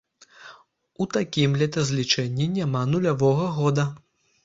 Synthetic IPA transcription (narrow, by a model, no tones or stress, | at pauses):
ut̪akʲimlʲɛt̪ʲɐzʲlʲit͡ʂɛnʲːinʲamanulʲavɔɣɐɣɔd̪ɐ